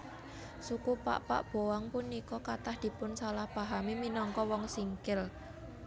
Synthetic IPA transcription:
sukupa̰ʔpa̰ʔb̥owaŋpunikɔkat̪ahd̪̥i̤pʊnsalahb̥a̤ɦamiminɔŋkɔwɔŋsiŋkɪl

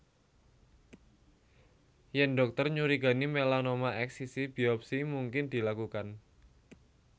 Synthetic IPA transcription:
jɛnɖɔk̚t̪ərɲuɾiɡ̥a̤nimelanomaʔɛksisibiɔp̚simuŋkɪnd̪̥i̤lakukan

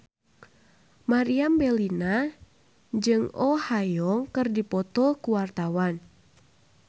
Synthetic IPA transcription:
maɾiambɛlina | d͡ʒɨŋɔhajɔŋkɨrdipɔt̪ɔkuwart̪awan

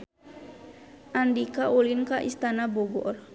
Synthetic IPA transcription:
ʔandikaʔulinkaʔḭst̪anabɔɡɔ̰r

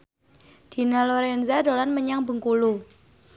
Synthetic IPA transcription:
d̪̥i̤naloɾɛnzadolanməɲaŋbə̤ŋkulu

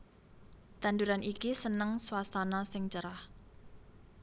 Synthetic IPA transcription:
t̪and̪uɾanʔikisənəŋswasanɔsɪŋt͡ʃəɾah

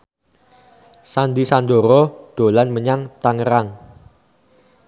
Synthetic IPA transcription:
sand̪isand̪oɾɔd̪̥o̤lanməɲaŋt̪aŋəɾaŋ

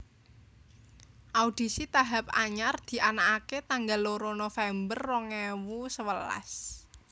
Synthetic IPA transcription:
ʔaud̥i̤sit̪aɦap̚a̰ɲard̪̥i̤ʔanaʔaket̪aŋɡaloɾonofɛmbərːɔŋɛwusəwəla̰s

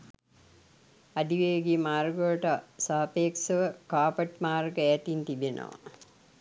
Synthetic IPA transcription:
ad̪iʋeːɡimaːrɡolʈəsaːpeːksəʋəkaːpəʈmaːrɡəæːt̪int̪ibenə̰ʋa̰

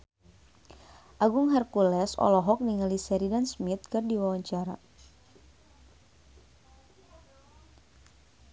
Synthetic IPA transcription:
ʔaɡuŋɦarkulɛsɔ̰lɔɦɔk̚diŋəlisɛɾidansmit̪̚kɨrdiwawaɲt͡ʃaɾa

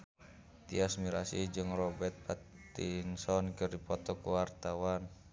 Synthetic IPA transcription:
t̪iasmiɾasḭd͡ʒɨŋrɔbɛt̪̚pat̪insɔnkərdipɔt̪ɔkuwart̪awan

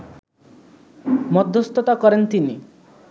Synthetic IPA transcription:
mɔd̪ʱːɔst̪ɔt̪akɔɾent̪ini

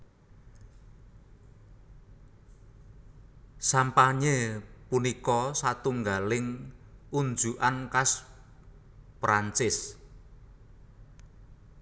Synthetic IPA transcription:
sampaɲepunikɔsat̪uŋɡalɪŋund͡ʒuʔankas | pɾant͡ʃɪs

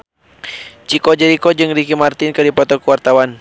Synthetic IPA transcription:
t͡ʃikɔd͡ʒɛɾikɔd͡ʒɨŋdikimart̪inkɨdipɔt̪ɔkuwart̪awan

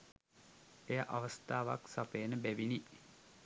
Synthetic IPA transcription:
ejaʔaʋəst̪aːʋa̰ksapeːnəbæʋini

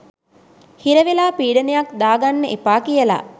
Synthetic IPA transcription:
hiɾəʋelaːpiːɖənejakd̪aːɡanːəʔepaːkijəla̰

